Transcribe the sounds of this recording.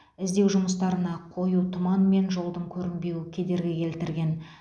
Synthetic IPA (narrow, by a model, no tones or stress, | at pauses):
ɪzd̪e̞wʒʊməst̪ɑɾənɑqʰo̞jut̪ʰʊmɑnme̞nʒo̞lˠd̪əɴkʲʰɵɾɪmbe̞wɪkʲʰed̪e̞ɾɡʲɪkʲʰe̞lt̪ɪɾɡʲe̞n